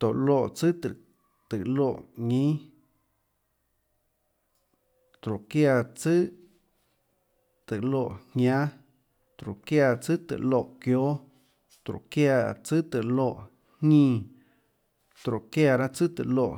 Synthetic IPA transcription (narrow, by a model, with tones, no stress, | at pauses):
t̪o˨ʔlo˧˨ʔt͡sɨ˦t̪ə˨ | t̪ɨ˨loː˧˨ʔɲĩ˦ | t̪ɾo˨kja˧t͡sɨ˦ | t̪ɨ˨lo˧˨ʔhɲʲjã˦ | t̪ɾo˨kja˧˨t͡sɨ˦t̪ɨ̰˨ʔlo˧˨ʔkjo˦ | t̪ɾo̰˨kja˧˨t͡sɨ˦t̪ɨ˨lo˧˨ʔ | hĩː˦˧˨ | t̪ɾo˨ʔkja˧˨ɾa˦t͡sɨ˦t̪ɨ̰˨lo˧˨ʔ